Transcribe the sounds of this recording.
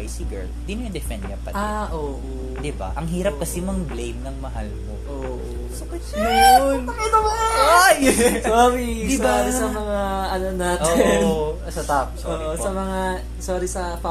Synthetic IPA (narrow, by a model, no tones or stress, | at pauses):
jsiɡɛ̰ɹ | sinojɐŋd̪ɛfɛnd̪kɐpɐ̰aʔoːʔo | d̪ɪba̰ʔɐŋɦiːɾɐp̚kɐsimɐŋblejmnɐŋmɐɦa̰lmo̰ʔoːʔo | sɐkɐʃ | ɐkɐt̪ɐmɐajsoːɾid̪ibaisɐmɐŋaʔɐnonaːt̪oɪn | sɐt̪ap̚soːʔosɐmɐŋa | soːɾisɐpɐ